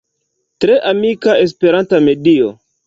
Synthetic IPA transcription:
tɾe̞ʔamikaes̬pe̞ɾantame̞dio̰

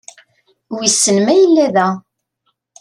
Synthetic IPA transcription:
wisːənmæjəlːæðæ

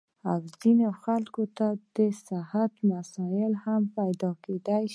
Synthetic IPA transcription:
awzinoxalkot̪ad̪əsahat̪masɑjɪlhampajd̪ɑked̪aj

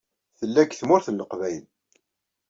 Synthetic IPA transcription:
θəlːækθmʊɾθənːəqvæjl

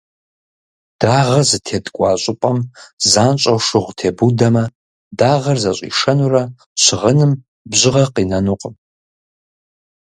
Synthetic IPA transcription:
d̥aːʁɐzɨtʰeːdɡʷʼɑːɕʼɪpʼɐmzaːnt͡ʃʷʼɐwʂɨʁʷtʰeːbudɐmɐ | daːʁɐrzɐɕʼḭʂɐnurɐ | ɕɪʁənɨm | bʑɪʁɐqinɐnuqʼəm

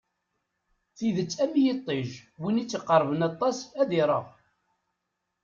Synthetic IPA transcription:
θiðət͡sːæmijit̪ˤːiʒwinit͡sːiqːəɾˤvənɑt̪ˤːɑsæðɪɾˤəʁ

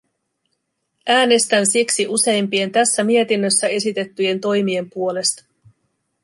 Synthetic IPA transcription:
ʔæːne̞st̪ænsiksiʔuse̞jmpie̞nt̪æsːæmie̞t̪inːøsːæe̞sit̪e̞t̪ːyje̞nt̪o̞jmie̞mpuo̞le̞st̪ɑ̥

